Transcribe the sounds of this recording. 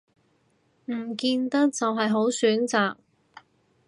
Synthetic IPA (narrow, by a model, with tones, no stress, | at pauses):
m̩˨˩kiː˧nt̪ɐ˥k̚t͡sɐ˨wɦɐ˨jɦo˨˥wsyː˨˥nt͡saː˨k̚